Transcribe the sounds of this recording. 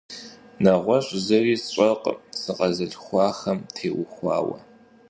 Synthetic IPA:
nɐʁʷɔɕʷʼzɐriːɕʼɐqsɨqɐzɨɮxʷɑːxɐmtʰeːwʊxʷɑ̰ːwɐ̰

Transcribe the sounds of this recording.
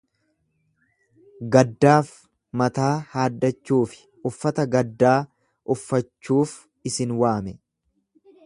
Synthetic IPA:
ɡɐd̪ːaːf | mɐt̪aːhaːd̪ːɐt͡ʃːuːfɪ̥ | ʊfːɐt̪ɐɡɐd̪ːaː | ʔʊfːɐt͡ʃːuːf | ɪsɪnwaːmɛ

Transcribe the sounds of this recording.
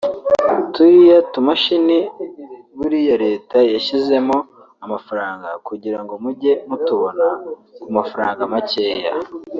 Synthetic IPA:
tuɾijatumaʃini | βuɾijoɾe̞ːtajaʃize̞mo | amafaɾaːŋɡakuɟiɾaŋɡomuɟe̞mutuβo̞nakumafaɾaːŋɡamace̞ːja̰

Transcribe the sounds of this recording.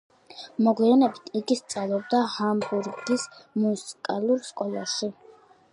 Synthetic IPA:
mɔɡianɛbit̪ʰiɡist̪sʼavlˠɔb̚d̪ahambuɾɡismusi̥kʼalˠuɾskʼɔlˠaʃi

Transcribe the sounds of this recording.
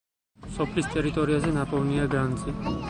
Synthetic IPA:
sɔpʰlist̪ʼɛɾit̪ʼɔɾiazɛnapʼɔvniaɡɾand̪zi

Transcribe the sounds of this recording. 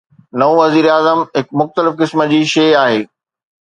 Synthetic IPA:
nɐõʋɐziːɾaːzəmɦɪkmʊxt̪əlɪfkɪsmə̆d͡ʑiːʃeːaːɦeː

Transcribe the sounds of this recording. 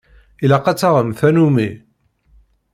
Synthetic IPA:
ilæqɑt͡sːaʁəmθænumi

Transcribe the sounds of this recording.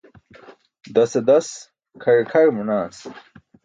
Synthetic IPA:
d̪ɐsɐd̪ɐs | kʰɐɻkʰɐɻmunaːs

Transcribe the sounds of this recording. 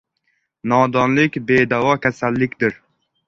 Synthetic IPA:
nɒd̪ɒnlɪkʲbed̪awɒkʲʰasalːɪkʲd̪ɪɾ

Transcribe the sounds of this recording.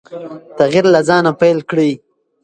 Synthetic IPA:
t̪aɣiɾlazɑnapajlkɽi

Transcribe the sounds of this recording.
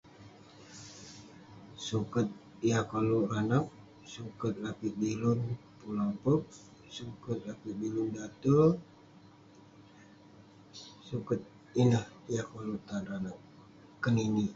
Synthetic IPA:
sukət̪̚ | diakoluranak̚ | sukət̪̚lapiʔ̚dilʊnpulampək̚ | sukət̪̚lapiʔ̚bilundat̪ə | sukət̪̚ | inəhdiakolut̪anranak̚ː | ənini

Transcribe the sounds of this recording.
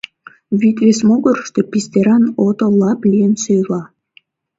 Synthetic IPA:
βʲit̪βes̬moɣəɾəʃt̪epʲisʲt̪ʲeɾɑnot̪olɑplʲiənsøjlɑ

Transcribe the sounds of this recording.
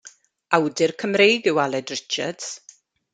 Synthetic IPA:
awdɪrkʰəmrejɡɪwalˠɛdrɪt͡ʃadz̥

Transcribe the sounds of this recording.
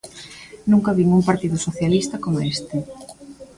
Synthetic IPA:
nũŋkɐβiŋuŋpaɾt̪iðʊsoθjalist̪ɐkomest̪ɪ

